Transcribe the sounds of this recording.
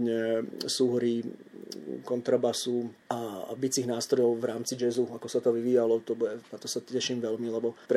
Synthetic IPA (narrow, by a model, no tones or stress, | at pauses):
ɲɛsuɦɾi | kɔnt̪ɾabasuabit͡siːɣnaːst̪ɾɔjɔʊvɾaːmt͡sid͡ʒɛzuakɔsat̪ɔʋiʋiːjalɔt̪ɔbuɛnat̪ɔsacɛʃiːmʋɛlmilɛbɔpɾ